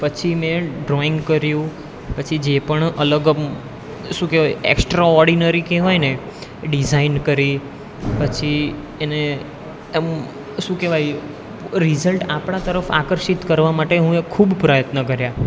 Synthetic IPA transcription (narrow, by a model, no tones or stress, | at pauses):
pət͡ʃʰimɛ̃ɖɾɔɪŋɡkəɾjũ | pət͡ʃʰid͡ʒepəɳələɡ | ʃũkeʋajḛksʈɾaɔɾɖinaɾikeʋajne | ɖizainkəɾi | pət͡ʃʰi | ene | ʃũkeʋaj | ɾizəlʈapɽ̃at̪əɾəfa̰kəɾʃit̪kəɾʋamaʈeɦũekʰubpɾəjət̪nəkəɾja